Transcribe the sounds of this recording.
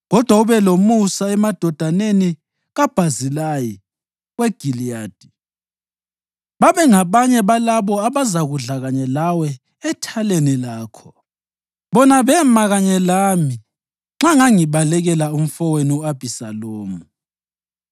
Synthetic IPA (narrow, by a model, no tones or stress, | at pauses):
ɣɔd̥ʱwauβɛlomusaɛmad̥ʱɔd̥ʱaneni | ɣab̥ʱazilaji | ɣwɛɡ̥ʱilijaːd̥ʱi | βaβɛŋaβaɲɛβalaβɔaβazaɣuɮaɣaɲɛlawɛ | ɛtʰalenilaːkʰɔ̥ | βɔnaβɛmaɣaɲɛlaːmi | ŋ͡ǁaŋaŋiβalɛɣɛlaum̩fɔweniuab̥ʱisa̰loːmu